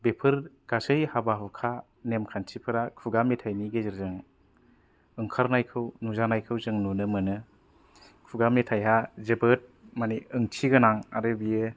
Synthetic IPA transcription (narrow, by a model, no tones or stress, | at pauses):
bepʰɯɾɡ̥asɯjhabaɦɯkʰa | nemkʰantʰipʰɯɾakʰuɡamːetʰajniɡezɯɾzɯŋ | ɯŋkʰaɾnajkʰɯwnuzanajkʰɯwzɯŋnonɯmɯnɯ | kʰuɡamnetʰajɦazebɯt̚maniɯŋtʰiɡɯnaŋaɾɯbijɯ